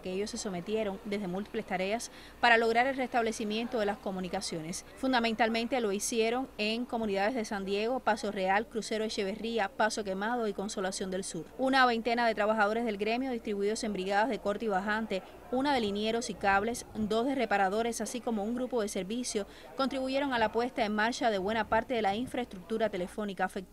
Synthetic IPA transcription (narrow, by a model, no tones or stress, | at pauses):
keeʝo̞sːe̞so̞me̞t̪je̞ɾo̞ŋd̪e̞zðe̞mult̪i̥ple̞st̪aɾe̞as | paɾalo̞ɣɾaɾe̞lre̞st̪aβle̞simjẽ̞nt̪o̞ðe̞lasko̞mũnikasjo̞ne̞sfund̪amẽnt̪almẽnt̪e̞lo̞isje̞ɾo̞ŋe̞ŋko̞mũniðaðe̞zðe̞sand̪je̞ɣo̞paso̞re̞alkɾuse̞ɾoeʃe̞βe̞riapaso̞ke̞maðo̞iko̞nso̞lasjo̞nd̪elsuɾunaβe̞nt̪e̞naðe̞t̪ɾaβaxaðo̞ɾe̞zðelɣɾe̞mjo̞ð̞ist̪ɾiβuiðo̞sembɾiɣaðazðe̞ko̞ɾt̪iβaɦant̪e̞ | unaðe̞linje̞ɾo̞sikaβle̞sd̪o̞sðere̞paɾaðo̞ɾe̞sasiko̞mo̞uŋɡɾupo̞ðe̞se̞ɾβisjo̞ | ko̞nt̪ɾiβuʝe̞ɾo̞ŋalapwe̞st̪aeŋmaɾt͡ʃaðe̞βwe̞napaɾt̪e̞ðe̞laiɱfɾaest̪ɾuk̚t̪uɾat̪e̞le̞fo̞nikafek̚t̪